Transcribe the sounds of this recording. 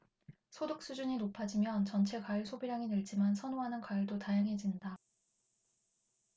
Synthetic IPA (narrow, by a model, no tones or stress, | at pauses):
sʰodɯk̚s͈ud͡ʑuɲinopʰad͡ʑimjʌnt͡ɕʌnt͡ɕʰe̞kaɯɭsʰobiɾaŋinɯɭt͡ɕ͈imansʰʌnoɦanɯnkwaiɭdotajaŋɦe̞d͡ʑinda